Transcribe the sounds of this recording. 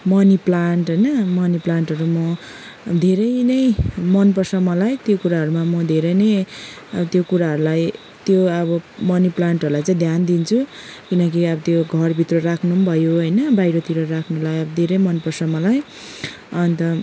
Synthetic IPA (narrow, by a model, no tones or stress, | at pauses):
mʌniplaɳʈɦʌjnʌmʌniplaɳʈɦʌɾumʌ | d̪ʱeɾʌjnʌjmʌnpʌrsʌmʌlajt̪jokuɾaɦʌɾumamʌd̪ʱeɾʌjnʌj | ʌʌt̪jokuɾaɦʌɾulaj | t̪joʌbʌmʌniplaɳʈɦʌɾulajt͡sʌ̃j̃d̪ʱjand̪int͡sʰukinʌk̬iʌbʌt̪joɡʱʌrbʱit̪rʌrakʰnubʱʌjoɦʌjnʌbajɾʌt̪iɾʌrakʰnulajʌbʌd̪ʱeɾʌjmʌnpʌrsʌmʌlaj | ʌnt̪ʌ